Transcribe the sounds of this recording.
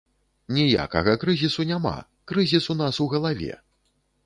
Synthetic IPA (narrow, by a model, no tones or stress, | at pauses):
nʲija̰kɐɣɐkɾɨzʲisunʲama̰ | kɾɨzʲisun̪asuɣɐlˠavʲɛ̰